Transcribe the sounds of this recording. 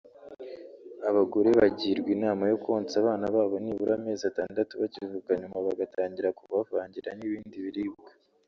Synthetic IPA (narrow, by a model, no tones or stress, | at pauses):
aβaɡoɾeβaɟiːɾɡwinaːmajo̞kuo̞ːnt͡saβaːnaβaːβo̞niβuɾame̞ːzataːndatuβacivuːkaɲumaβaɡataːɲɟiɾakuβavaːɲɟiɾaniβiːndiβiɾiːb̚ɡḁ